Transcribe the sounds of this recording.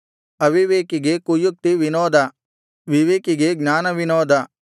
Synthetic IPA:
ɐʋiʋeːkiɡekujuk̚t̪iʋinɔːd̪ʱɐ | ʋiʋeːkiɡeɡɲaːnɐʋinɔːd̪ɐ

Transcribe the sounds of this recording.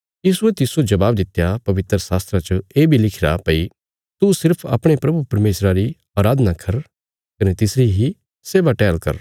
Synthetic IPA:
jiːsuɛt̪ɪsod͡ʒɐbaːbd̪ɪt̪ːjapɐʋɪt̪ɾəsaːst̪ɾãt͡ʃɐeːbʱilɪkʰɪɾa̰pɐi | t̪usɪɾpʰa̰ːpɽ̃epɾɐbʱupɐɾmeːsɾaɾi | aːɾaːd̪nakʰɐɾ | kɐnet̪ɪsɾiɦi | seːʋaʈɛːlkɐ̰ɾ

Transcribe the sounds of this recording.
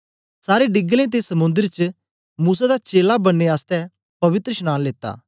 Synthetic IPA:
saːɾeɖɪɡlẽt̪̬esɐmʊ̃nd̪əɾt͡ʃ | muːsad̪at͡ʃeːlabɐnːeaːst̪ɛ | pɐʋɪt̪ɾəʃnãːnleːt̪a̰ː

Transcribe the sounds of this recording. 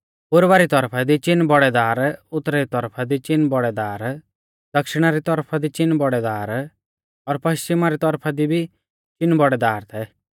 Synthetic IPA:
pʊɾʋaɾit̪ɔɾpʰad̪it͡ʃɪnːbɔɽɛd̪aːɾʊt̪ːɾɛɾit̪ɔɾpʰad̪it͡ʃɪnːbɔɽɛd̪aːɾ | d̪̥ɐkʃɪɽ̃aɾit̪ɔɾpʰad̪it͡ʃɪnːbɔɽɛd̪aːɾ | ɔɾpɐʃt͡ʃɪmaɾit̪ɔɾpʰad̪ibʱi | t͡ʃɪnbɔɽɛd̪aːɾt̪ʰɛ

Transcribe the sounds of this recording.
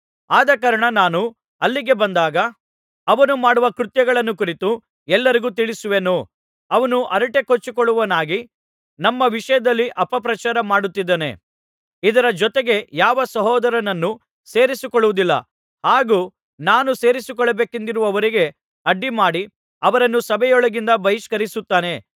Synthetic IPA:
aːd̪ɐkɐɾɐɳɐnaːnu | ɐlːiɡe̞bɐnd̪aːɡɐ | ɐʋɐnumaːɽuʋɐkɾut̪jɐɡɐɭɐnːukuɾit̪u | ɛlːɐɾiɡuːt̪iɭisuʋe̞nu | ɐʋɐnuʔɐɾɐʈe̞kot͡ʃːukɔɭːuʋɐnaːɡi | nɐmːɐʋiʂɐjɐd̪ɐlːiʔɐpɐpɾɐt͡ʃaːɾɐmaːɽut̪ːid̪eːne̞̰ | id̪ɐɾɐd͡ʒɔt̪e̞ɡe̞jaːʋɐsɐɦɔːd̪ɐɾɐnɐnːu | seːɾisikɔɭːuʋud̪ilːɐ̰ | haːɡuː | naːnuse̞ːɾisikɔɭːɐbe̞ːkend̪iɾuʋɐʋɐɾiɡe̞ | ɐɖːimaːɽi | ɐʋɐɾɐnːusɐbʱɛjɔɭɐɡind̪ɐbɐɦiʃkɐɾisut̪ːaːne̞

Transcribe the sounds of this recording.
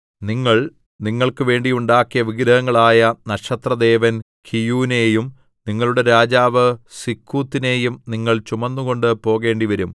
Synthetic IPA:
niŋːɐɭ | niŋːɐɭkɨʋe̞ːɳɖijuɳɖaːkːijɐʋiɡɾɐɣɐŋːɐɭaːjɐnɐɕɐt̪rɐd̪e̞ːʋɐn | kʰijuːne̞ːjum | niŋːɐɭuɽe̞ɾaːd͡ʑaːʋɨsikʰːuːt̪ːine̞ːjumniŋːɐɭt͡ɕumɐnːuɣo̞ɳɖɨpo̞ːɣe̞ːɳɖiʋɐɾum

